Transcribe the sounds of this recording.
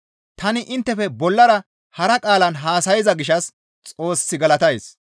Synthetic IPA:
t̪ɐnɪʔɪnt̪ːɛfɛbɔlːɐɾɐ | hɐɾɐkʼaːlɐnɦaːsɐjɪzɐɡɪʃɐs | t͡sʼo̞ːsːɪɡɐlɐt̪ɐjs

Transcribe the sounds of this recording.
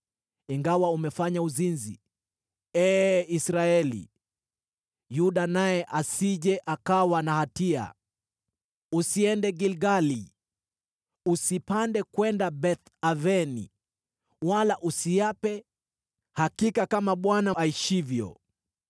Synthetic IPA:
iŋɡawaumɛfaɲauzinzḭ | ɛːisɾaɛlḭ | juɗanajɛʔasiʄɛʔakawanahatia̰ | usiɛndɛɡilɡali | usipandɛkwɛndabɛt̪ | avɛnḭ | walaʔusiapɛ | hakikakamaɓwanaaiʃivjɔ̰

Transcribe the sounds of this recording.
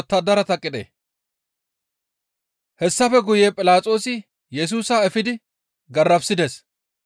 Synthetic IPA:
t̪ːɐd̪ɐɾɐt̪ɐkʼːɪd̪ḛː | hɛsːɐfɛɡʊjeːpʼɪlaːt͡sʼo̞ːsɪ | jɛs̬uːsaːɛfɪd̪ɪ | ɡɐrːɐbsɪd̪es

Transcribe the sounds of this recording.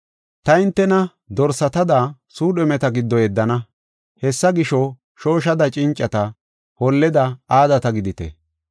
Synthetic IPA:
t̪ɐɪnt̪ːɛnɐ | d̪ɔɾsɐt̪ɐd̪asuːɗɛmɛt̪ɐɡɪd̪ːɔjɛd̪ːɐnɐ | hɛsːɐɡɪʃɔ | ʃo̞ːʃ̬ɐd̪ɐt͡ʃʼɪnt͡ʃʼːɐt̪ɐ | hɔlːɛd̪ɐaːd̪ɐt̪ɐɡɪd̪ɪt̪ɛ̰

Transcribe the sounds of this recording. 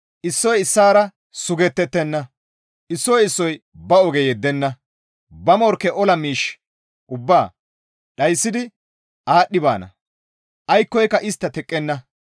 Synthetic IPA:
ʔɪsːɔjɪsːaːɾɐ | sʊɡɛt̪ːɛt̪ːɛnːɐ | ʔɪsːɔjɪsːɔj | bɐɔɡɛjɛd̪ːɛnːɐ | bɐmɔɾkːɛʔɔlɐmiːʃ | ʔʊbːaː | ɗɐjsːɪd̪ɪ | ʔaːɗːɪba̰ːnɐ̰ | ʔɐjkːɔjkːɐʔɪst̪ːɐt̪ɛkʼːɛnːɐ

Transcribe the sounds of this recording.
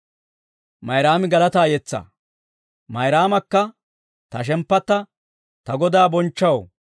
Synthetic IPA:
mɐjɾaːmɪɡɐlɐt̪aːjɛt͡sːɐ̰ | mɐjɾaːmɐkːɐ | t̪ɐʃ̬ɛmpːɐt̪ːɐ | t̪ɐɡɔd̪aːbɔnt͡ʃːɐw

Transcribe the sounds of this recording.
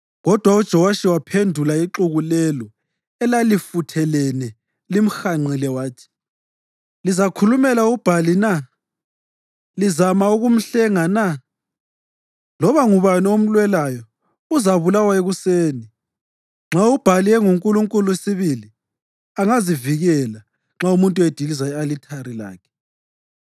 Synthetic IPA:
ɣɔd̥ʱwaud̥ʒ̥ʱɔwaʃiwapʰendʱulaiǁuɣulɛlɔ | ɛlalifutʰɛlɛnɛ | lim̩xaŋ͡ǀʱilɛwaːtʰi̥ | lizakʰulumɛlaub̥ʱalina | lizamauɣum̩ɬɛŋana | lɔβaŋuβaniom̩lwɛlajɔ | uzaβulawaeɣuseːni | ŋ͡ǁʱaub̥ʱaliɛŋuŋkʼuluŋkʼulusiβili | aŋaziviɣɛla | ŋ͡ǁaumuntʼued̥ʱilizaialitʰaɾila̰ːkʰɛ̥

